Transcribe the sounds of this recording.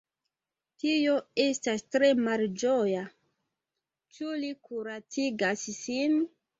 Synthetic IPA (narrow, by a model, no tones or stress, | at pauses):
tioe̞stastɾemald͡ʒoja | t͡ʃulikuɾat͡siɡassin